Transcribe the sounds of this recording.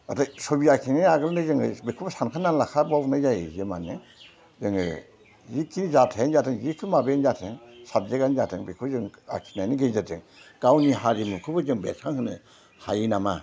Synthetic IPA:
atʰasobiakʰinanaɡɯlnɯzɯŋɯbekʰubsankʰanːanlakʰabawnazajḛiemanḛ | zɯŋɯ̰ | jikʰinzatʰanzatʰeŋjikʰɯmabenzatʰeŋsab̚zeɡanzatʰeŋbekʰuzɯŋa̰kʰi̥najniɡezatɯŋ | ɡ̥awniɦaɾimukʰɯbɯzɯŋbḛtʰaŋhɯnɯ̰ | hajinama̰

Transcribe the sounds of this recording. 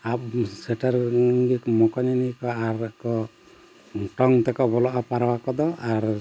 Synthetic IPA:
ap̚sɛʈaɾɡikmɔkɔɲanikɔaɾkɔ | ʈɔŋt̪ɛkɔbɔlɔʔɔpaɾɔwakɔd̪ɔaɾ

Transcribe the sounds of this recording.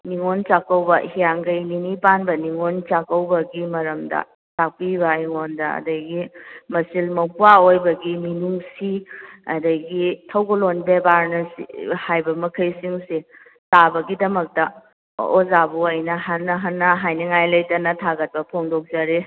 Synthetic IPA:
niŋont͡ʃakːɐwbɐhijaŋɡɐjninipanbɐniŋont͡ʃakɐwbɐɡimɐɾɐmdɐ̰ | sak̚pibɐiŋondɐɐ̰dɐɡimɐsilmɐwpuaojbɐɡiminuŋsiɐdɐɡitʰɐwɡolonbebaɾnɐsḭhajbɐmɐkʰɐjsiŋsi | tabɐɡidɐmɐk̚tɐ | ozabuɐjnɐɦanːɐɦɐnːɐɦajnɐŋajlɐjtɐnɐtʰaɡɐt̚pɐpʰoŋdok̚zaɾe

